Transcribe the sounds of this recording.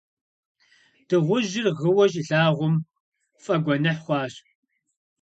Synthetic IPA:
d̥ɨʁʷʊʒɪrʁəwɐʒɮaːʁʷʊm | fʼɐɡʷɔnɐħχʷɑːɕ

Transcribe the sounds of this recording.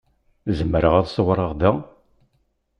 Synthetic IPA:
zəmːəɾəʁæðswɾˤəʁd̪æ

